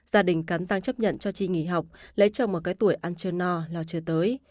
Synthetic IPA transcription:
zaː˧ɗï˨˩ŋ̟kaː˨˦nzaː˧ŋt͡ɕə˦˥p̚ɲə̰˧˨nt͡ɕɔ˧t͡ɕi˧ŋḭ˧˩ɦa˨˩wk͡p̚lə̰˧˥jt͡ɕɔ˧wŋ͡mmo˨˩kaː˨˦jt̪u˧˩əjʔaː˧nt͡ɕə˧nɔ˧lɔ˧˩t͡ɕɨ˧ət̪əː˨˦j

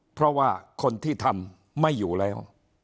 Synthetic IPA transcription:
pʰɾɔ˦˥waː˥˩kʰo˧nt̪ʰiː˥˩t̪ʰa˧m | ma˥˩jːuː˨˩lɛː˦˥w

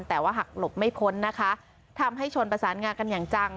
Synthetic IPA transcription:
nt̪ɛː˨˩waː˥˩ɦa˨˩k̚lo˨˩p̚ma˥˩jpʰo˦˥nːa˦˥kʰa˦˥ | t̪ʰa˧mɦa˥˩jt͡ɕʰo˧npɾa˧saː˩˦nŋaː˧nka˧njaː˨˩ŋt͡ɕa˧ŋ

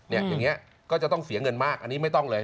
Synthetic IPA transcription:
ni˥˩ɐjaː˨˩ŋːi˦˥ɐ | kɔː˥˩t͡ɕa˨˩t̪ɔ˥˩ŋsi˩˦ŋɤ˧nmaː˥˩k̚ʔa˧nːiː˦˥ma˥˩jt̪ɔ˥˩ŋlɤː˧

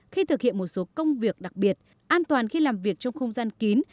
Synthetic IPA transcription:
xi˧t̪ʰɨ˨˩k̚hḭ˧˨ənmo˨˩t̚so˨˦kə˧wŋ͡mvi˨˩ək̚ɗa˨˩k̚ɓi˨˩ət̚ | ʔaː˧nt̪waː˨˩nxi˧laː˨˩mvi˨˩ək̚t͡ɕɔ˧wŋ͡mxə˧wŋ͡mzaː˧nki˨˦n

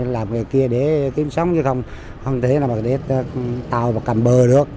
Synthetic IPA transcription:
laː˨˩mŋɨ˨˩əjki˧əɗe˧˩ki˨˦msə˨˦wŋ͡mɲɨ˨˧˦xə˧wŋ͡m | hə˧wŋ͡mt̪ʰe˨˦naː˨˩ma˨˩ɗe˨˩˦t̪aː˨˩wvaː˨˩ka˨˩mɓəː˨˩ɗɨ˨˩ək̚

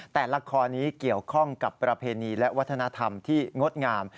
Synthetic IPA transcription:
t̪ɛː˨˩la˧kʰɔː˧niː˦˥ki˨˩əwkʰɔ˥˩ŋka˨˩pːɾa˧pʰeː˧niː˧lɛ˦˥ʔwa˦t̪ʰːa˧na˦˥t̪ʰa˧mt̪ʰiː˥˩ŋo˦˥t̪̚ŋaː˧m

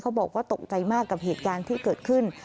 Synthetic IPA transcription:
kʰa˦˥wbɔː˨˩k̚waː˥˩t̪o˨˩k̚t͡ɕa˧jmaː˥˩kːa˨˩p̚heː˨˩t̪̚kaː˧nt̪ʰiː˥˩kɤː˨˩t̪̚kʰɯ˥˩n

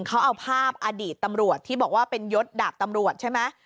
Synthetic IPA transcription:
ŋkʰa˦˥wʔa˧wpʰaː˥˩p̚ʔa˧diː˨˩t̪ːa˧mɾu˨˩ət̪ʰːiː˥˩bɔː˨˩k̚waː˥˩pe˧njo˦˥t̪̚da˨˩p̚t̪a˧mɾu˨˩ət̪̚t͡ɕʰa˥˩jma˦˥

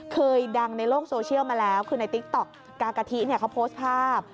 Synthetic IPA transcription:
kʰɤː˧jda˧ŋna˧jɾoː˥˩k̚soː˧t͡ɕʰi˥˩əwmaː˧lɛː˦˥wkʰɯː˧na˧jt̪i˦˥k̚t̪ɔ˨˩k̚ːaː˧ka˧t̪ʰi˦˥ʔni˥˩ɐkʰa˦˥wpʰoː˦˥st̪̚pʰaː˥˩p̚

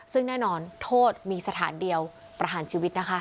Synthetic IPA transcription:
sɯ˥˩ŋnɛː˥˩nɔː˧nt̪ʰoː˥˩t̪̚miː˧sa˧t̪ʰaː˩˦ndi˧əw | pɾa˧ɦaː˩˦nt͡ɕʰiː˧wi˦˥t̪̚na˦˥kʰa˦˥

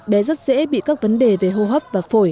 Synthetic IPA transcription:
ɓɛ˨˦zə˦˥t̚z̥ɛ̰˧˥ɓḭ˧˨kaː˦˥k̚və˨˦nɗe˨˩ve˨˩ɦo˧ɦəː˦˥p̚vaː˨˩fo˧˩j

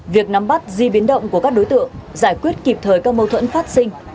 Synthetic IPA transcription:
vi˨˩ək̚na˨˦mɓa˦˥t̚zi˧ɓi˨˦ənɗə̰˧˨wŋ͡mku˧˩kaː˦˥k̚ɗo˨˦jt̪ɨ̰˧˨əŋzaː˧˩jkwi˦˥t̚ki˨˩p̚t̪ʰəː˨˩jkaː˦˥k̚mə˧wt̪ʰwə̰˧˥nfaː˦˥t̚sï˧ŋ̟

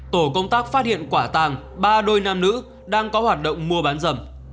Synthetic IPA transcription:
t̪o˧˩kə˧wŋ͡mt̪aː˦˥k̚faː˦˥t̚hḭ˧˨ənkwaː˧˩t̪aː˧˩ŋ | ɓaː˧ɗo˧jnaː˧mnɨ̰˧˥ | ɗaː˧ŋkɔ˨˦hwaː˨˩t̚ɗə̰˧˨wŋ͡mmu˧əɓaː˨˦nzə˧˩m

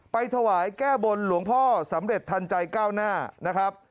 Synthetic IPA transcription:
pa˧jt̪ʰa˧waː˩˦jkɛː˥˩bo˧nlu˩˦əŋpʰɔː˥˩sa˩˦mɾe˨˩t̪ʰːa˧nt͡ɕa˧jkaː˥˩wnaː˥˩na˦˥kʰɾa˦˥p̚

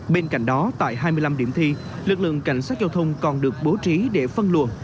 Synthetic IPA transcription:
ɓe˧nka̰˧˩jŋ̟ɗɔ˨˦t̪a̰ː˧˨jɦaː˧jmɨ˧jla˧mɗi˧˩əmt̪ʰi˧ | lɨ˨˩k̚lɨ̰˧˨əŋka˧˩jŋ̟saː˦˥t̚za˧wt̪ʰə˧wŋ͡mkɔ˨˩nɗɨ˨˩ək̚ɓo˨˦t͡ɕi˨˦ɗe˧˩fə˧nlṵ˨˩ə

